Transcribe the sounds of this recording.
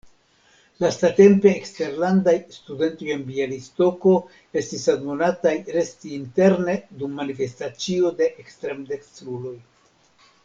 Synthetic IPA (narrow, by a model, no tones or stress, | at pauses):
lastate̞mpe̞ːkste̞ɾlandajstude̞nto̞je̞nbialisto̞ko̞ | e̞stisadmonatajɾe̞stiːnte̞ɾne̞d̪umːanife̞stat͡sio̞de̞ʔekst̪ɾe̞md̪ektɾulo̞j